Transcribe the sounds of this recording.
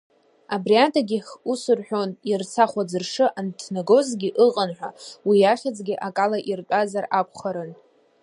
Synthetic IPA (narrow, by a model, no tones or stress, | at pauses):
abriatʰaɡʲiχusɨrħʷᶣo̞nirt͡sʰaχʷad͡zɨrʂɨʔantʰnaɡo̞zɡʲiʔɨqʼanħᶣʷawijaχʲad͡zʼɡʲiʔakʼalaʔirkʼazarakʷʰχaɾɨn